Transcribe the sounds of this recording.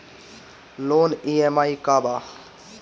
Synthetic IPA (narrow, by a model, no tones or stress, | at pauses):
loːniːemaːikaːbaː